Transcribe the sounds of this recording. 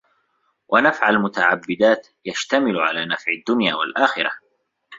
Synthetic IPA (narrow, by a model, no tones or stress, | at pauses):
wʔanafʕalmʊt̪aʕabːɪd̪aːt̪ | jaʃt̪amɪlʕa̰laːnafʕɪd̪ːʊnjaːwalʔaːxɪɾˤɑ̰